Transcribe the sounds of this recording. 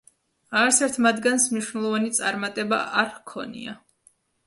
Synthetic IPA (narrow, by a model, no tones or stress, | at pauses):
aaɾsɛɾt̪ʰmad̪ɡansmniʃwnɛlˠɔvanit̪sʼaɾmat̪ʼɛba̰ʔaɾhkʰɔ̰nḭa